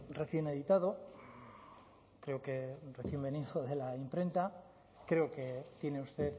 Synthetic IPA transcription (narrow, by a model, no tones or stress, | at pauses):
re̞θje̞ne̞ðit̪að̞o̞ | kɾe̞oke̞reθje̞mbe̞niðoðe̞laimpɾe̞nt̪a | kɾe̞oket̪jene̞ust̪e̞θ